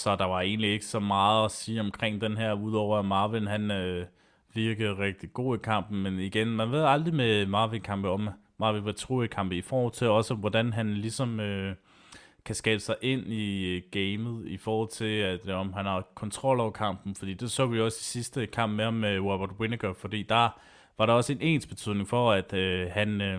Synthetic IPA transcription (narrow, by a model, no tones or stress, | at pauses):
sɒ̽d̥ɑ̈ʋɑ̈e̝̰ːnlie̝ɡ̥əsɒ̽mɑ̈ːð̩ˠɒsiːɒ̽mkʰʁeŋ̰d̥enɦeɐ̰uðˠɒʊ̰ɐæmɑ̈ːʋinɦænø | ʋiɐɡ̥əð̞̩ˠʁɛɡ̥̚d̥iɡ̥o̝̰ːikʰɑ̈m̰b̥n̩meniɡ̥enmænʋe̝ð̞̰ˠɑ̈ld̥ʁimemɑ̈ːʋinkʰɑ̈mb̥əɒ̽m | mɑ̈ːʋinʋæt͡sʰʁṵikʰɑ̈m̰b̥əifɒːhɒ̰l̰ˠt͡sʰe̝lɒ̽səʋɒd̥ænɦænlisɒ̽mø | kʰæsɡ̥ɛːb̥əsɑ̈ɪʔe̝n̰iɡ̥eɪməð̞̩ˠifɒːhɒ̽l̰ˠt͡sʰe̝læd̥ɒ̽mɦænhɑðˠkʰɒ̽nt͡sʰʁɒ̽l̰ɒʊɐkʰɑ̈m̰b̥n̩fɒd̥ḭːd̥e̝sɔ̰ːʋiɒ̽si̥sisd̥əkʰɑ̈m̰b̥mehɑ̈mmewɔb̥ɐd̥we̝nəɡ̥əfɒ̽d̥ḭːd̥ɑ̈ | ʋɑ̈ɾëɒ̽səe̝ne̝̰ːnsb̥e̝t͡sʰyð̰ˠne̝ŋfɒ̽æd̥øhæn